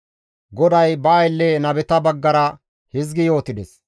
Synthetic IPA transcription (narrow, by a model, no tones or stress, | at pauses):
ɡɔd̪ɐjbɐːjlːɛnɐbɛt̪ɐbɐɡːɐɾɐ | hɪzɡɪjo̞ːt̪ɪd̪ɛs